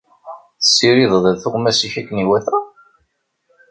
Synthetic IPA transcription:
θəsːiɾiðˤðæðθʊʁmæsiçækːniwæθæ

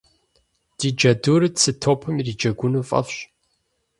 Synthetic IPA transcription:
d̥iːd͡ʒɐduːɾɨdsɨtʰoːpʰɨmirid͡ʒɐɡʷʊnuːfʼɐ̰fɕ

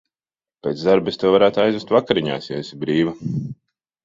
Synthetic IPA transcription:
pʲeːt̪d̪aɾbest̪ewvaɾaːt̪ajzvest̪vakaɾiɲa̰ːsjɛesʲibɾiːva

